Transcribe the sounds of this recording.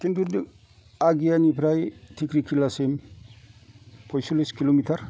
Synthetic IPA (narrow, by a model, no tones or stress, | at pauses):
kintudi | aɡijanipʰɾajtʰikɾikʰːilasem | pʰɔjsuliskilomitʰaɾ